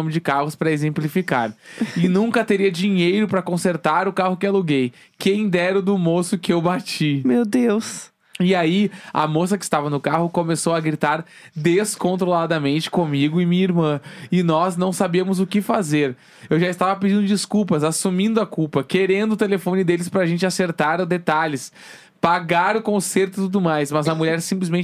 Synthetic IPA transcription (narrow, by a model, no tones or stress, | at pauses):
õmɪd͡ʒɪkahʊspɾɐezẽmplifikaɾɪnũŋkɐt̪eɾiɐd͡ʒiɲejɾʊpɾɐkõseɾt̪aɾʊkaɦʊkɪaluɡej | kẽj̃d̪ɛɾʊd̪ʊmosʊkɪewbat͡ʃimewd̪ews | ɪaiɐ̰mosɐkɪst̪avɐnʊkaɦʊkomesowɐɡɾit̪aɾ | d̪eskõnt̪ɾolad̪ɐmẽnt͡ʃɪ̥kõmiɡʊɪmĩɲɐiɾmɐ̃ɪnɔznɐ̃w̃sabiɐmʊzʊkɪfazeɾ | ewʒaɪst̪avɐpɪd͡ʒĩnd̪ʊd͡ʒiskuwpɐzasumĩnd̪ʊɐkupɐkeɾẽnd̪ʊt̪elefõnɪd̪elɪspɾɐaʒẽnt͡ʃɪaseɾt̪aɾʊd̪et̪aʎɪs | paɡaɾʊkõseɾt̪ʊɪt̪ud̪ʊmajsmɐzɐmuʎɛɾsĩplɪzmẽn